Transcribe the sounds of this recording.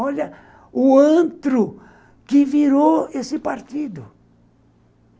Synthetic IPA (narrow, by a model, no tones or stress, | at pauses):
ɔʎɐ | ʊɐ̃t̪ɾʊ | kɪviɾoesɪpaɾt̪id̪ʊ